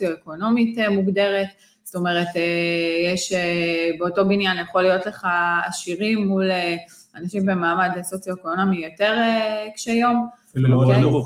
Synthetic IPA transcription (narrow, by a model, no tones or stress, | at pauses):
t͡sjoeko̞no̞mitemuɡde̞ʁet | zto̞me̞ʁetejeʃebeoto̞binjanjaχolːijo̞tle̞χaːʃiʁimːule | anaʃimbe̞maːmadesot͡sjoekoonamijote̞ʁekʃejo̞m